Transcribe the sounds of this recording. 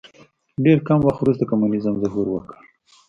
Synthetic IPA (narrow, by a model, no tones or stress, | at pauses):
ɖeɾkamwaxt̪wɾus̬t̪akamunizəmzaɦuɾwə̰kə̥ɽ